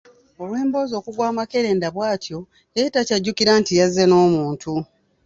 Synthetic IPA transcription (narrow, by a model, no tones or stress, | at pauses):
o̞lwe̞ːmbo̞ːzo̞ːkuɡwaːmake̞ɾe̞ːndaβwaːtʰjo̞ | jeitacaɟːukiɾaːntijazːeno̞ːmuːntʰu